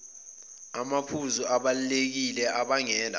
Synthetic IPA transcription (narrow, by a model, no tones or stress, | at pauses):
amapʰuzuaɓalulek̬ilɛʔaɓaŋɛːna̰